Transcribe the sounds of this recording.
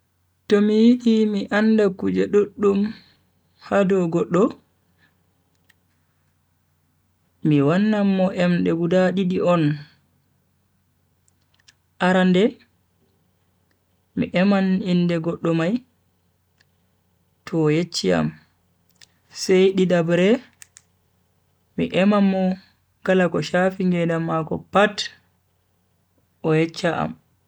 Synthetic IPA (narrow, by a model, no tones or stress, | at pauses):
tɔmijiɗimiʔandakud͡ʒɛɗoɗːum | hadɔɡɔɗːɔ | miwanːamːɔʔɛmɗɛɡudaɗiɗiʔɔn | ʔaɾandɛ | mḭʔɛmanindɛɡɔɗːɔmaj | tʰɔːjet͡ʃːia̰m | sɛjɗiɗabɾɛ | mḭʔɛmamːɔ | ɡ̥alakɔʃafiŋɡɛdamːakɔpat | ʔɔjɛt͡ʃːaʔa̰m